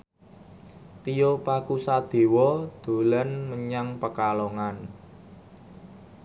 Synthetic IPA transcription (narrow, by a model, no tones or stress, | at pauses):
t̪ijopakusad̪̥e̤wɔd̪̥o̤lənməɲaŋpəkaloŋan